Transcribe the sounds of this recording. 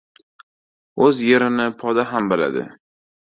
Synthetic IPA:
ɵzje̞ɾɪnɪpʰɒd̪aɦambɪla̰d̪ɪ̰

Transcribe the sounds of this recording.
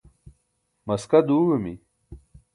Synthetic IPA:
mɐskɐd̪uːɻumḭ

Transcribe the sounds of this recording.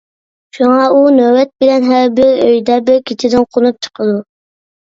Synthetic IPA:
ʃuŋɑunøwɛt̪̚bɪlɛnɦæɾbɪɾøjd̪ɛbɪɾkʲʰet͡ʃ̪ʰɪd̪ɪnqʰonup̚t͡ʃʰə̥qʰəd̪u

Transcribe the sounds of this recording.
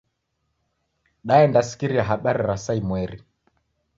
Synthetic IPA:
ɗaɛndasi̥kiɾiaɦaɓaɾiɾasaimwɛɾi

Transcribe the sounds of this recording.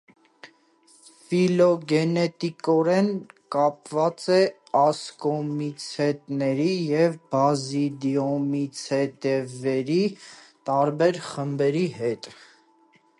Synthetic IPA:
filɔɡɛnɛt̪ikɔɾɛnkɑp̚vɑt͡sɛ | ɑskɔmit͡sʰɛt̪nɛɾijɛvbɑzid̪jɔmit͡sʰɛt̪ɛvɛɾit̪ɑɾbɛɾχəmbɛɾiɦɛt̪

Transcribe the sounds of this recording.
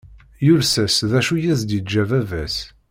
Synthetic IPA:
jʊɾsæsðæʃujæθd̪id͡ʒævævæs

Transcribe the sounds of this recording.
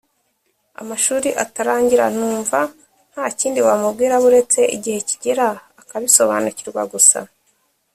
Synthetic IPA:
a̰maʃuːɾiʔataɾaːɲɟiɾan̥uːɱva | n̥haːciːndiwamub̚ɡiːɾaβuɾe̞t͡se̞ʔiɟihe̞ci̥ɟeɾaː | kaβiso̞βa̰ːnuciɾɡwa̰ɡusa̰

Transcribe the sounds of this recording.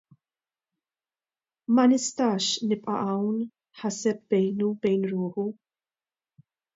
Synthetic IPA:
mɐnɪst̪ɐːʃnɪpʼʔɐ̰ʔɐwn | ħɐsɛp̚bɛjnubɛjnɾʊːħu

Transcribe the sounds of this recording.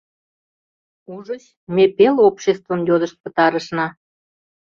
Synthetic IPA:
uʒət͡ɕ | mepelopɕest̪vəmjod̪əʃt̪̚pə̥̆t̪ɑɾəʃnɑ

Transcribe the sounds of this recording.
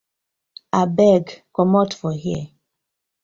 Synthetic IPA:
abɛɡkɔmɔtfɔhjɛ̰

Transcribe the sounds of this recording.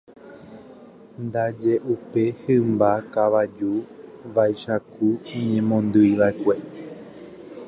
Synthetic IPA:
nd̪ad͡ʒe̞ʔupe̞hɨmbakaʋad͡ʒuʋajʃakuɲẽ̞mõnd̪ɨjʋaekʷe̞

